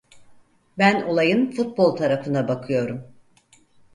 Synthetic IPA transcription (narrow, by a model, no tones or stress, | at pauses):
bæno̞lˠajɯnfut̪̚bo̞lˠt̪ʰaɾafɯnd̪abakʰɯjo̞ɾum